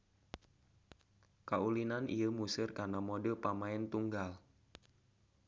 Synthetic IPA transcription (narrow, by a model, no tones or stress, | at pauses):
kaulinanʔḭjəmusɪrkarnamodəpamaɪnt̪uŋɡal